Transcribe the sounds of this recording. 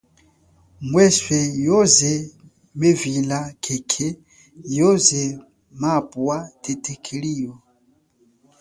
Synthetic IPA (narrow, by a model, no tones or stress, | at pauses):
mwɛswɛjɔzɛ | mevilakʰekʰɛ | jɔzɛ | mapʼuwatʰetʰekʰelijɔ